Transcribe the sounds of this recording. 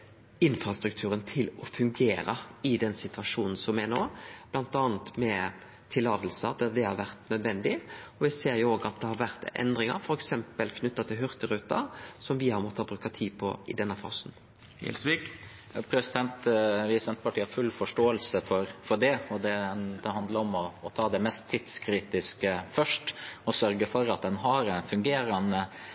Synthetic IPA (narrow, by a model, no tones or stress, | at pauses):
ɪnfɾɑst̪ɾʉk̚t̪ʰʉːɾənt̪ʰɪlɔfʉŋɡeːɾəɪd̪ɛnsɪt̪ʰʋɑʂuːnn̩sɔmɛnoːb̥lɑnt̪ɑːnt̪mɛ | t̪ʰɪlːɑːd̪əlsəd̪ɛd̪ɛhɑɾʋæɾt̪nœd̪ʋɛnd̪ɪɔʋɪseːɾjʊoːɡɑt̪̚d̪ɛhɑɾʋæɾt̪ɛ̰nd̪ɾɪŋə̰ɾfɔɾɛksɛmpəlkʰnʏt̪ːɑt̪ʰɪlɦʉʁt̪əɾʉːt̪ɑ̰sɔmʋɪhɑɾmɔt̪ʰːɑbɾʉːkɑt̪ʰiːpʰɔ̰ʔɪd̪ɛnːəfɑ̰ːsn | ɪ̰lsʋik | pʰɾɛsɪd̪ɛnt̪ʋɪsɛnt̪̚pʰɑʈʰiːhɑɾfʉlːfɔʂʈoːəlsəfɔɾfɔɖɛɔd̪ɛd̪ɛhɑnd̪ləɾɔmɔːt̪ʰɑːd̪ɛmɛst̪ʰːɪd̪skʰɾiːt̪ɪskəfœʂʈɔsœɾɡəfɔɾɑt̪̚d̪ɛnɦɑɾɛnfʉŋɡeːɾɑnə